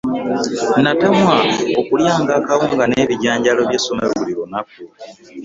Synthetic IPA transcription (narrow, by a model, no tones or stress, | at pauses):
natamwaokuljaːŋɡaːkaβuːŋɡane̞ːβiɟaːɲɟalo̞βjeːso̞meɾoβuliɾonak̚u